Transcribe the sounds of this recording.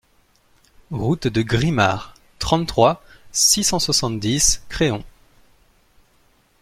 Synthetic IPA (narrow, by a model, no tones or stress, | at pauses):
ʁut̪d̪əɡʁima̰ʁ | t̪χɑ̃t̪t̪ːχwasisɑ̃swasɑ̃t̪d̪iskχeɔ̃